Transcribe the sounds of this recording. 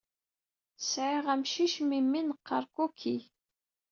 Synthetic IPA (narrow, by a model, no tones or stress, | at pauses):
sʕiʁæmʃiʃmimːinəqʰːɑ̰ɾˤkukʰːi